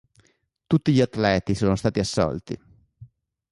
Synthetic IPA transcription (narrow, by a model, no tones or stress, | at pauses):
t̪ut̪ːiʎiat̪ːlɛːt̪isoːnost̪aːt̪iasːɔ̰lt̪ḭ